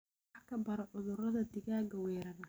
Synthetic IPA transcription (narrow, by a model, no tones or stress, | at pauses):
kʰɐbɐɾɔʕʊðʊrɐðɐd̪ɪɣaːɡɐwɛːɾɐn